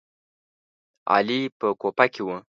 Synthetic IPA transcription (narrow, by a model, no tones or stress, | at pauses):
a̰lipəkopakiwə